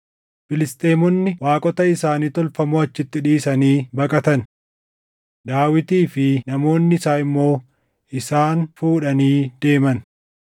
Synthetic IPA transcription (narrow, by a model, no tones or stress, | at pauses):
fɪlɪst̪ʼeːmɔnːɪwaːkʼɔt̪ɐɪsaːniːt̪ɔlfɐmoɐt͡ʃːɪt̪ːɪᶑiːsɐniːbɐkʼɐt̪ɐn | d̪aːwɪt̪iːfɪnɐmo̞ːnːɪɪsaːɪmːo̞ː | ɪsaːnfuːᶑɐniːd̪̥e̞ːmɐn